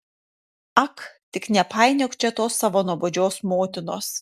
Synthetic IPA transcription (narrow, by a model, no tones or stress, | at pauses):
ɐkt̪ʲɪknʲɛpɑɪnʲɛkt͡ʃʲɛt̪oːsːɑʋoːnuɔbod͡ʒʲoːsmoːt̪ʲɪnoːs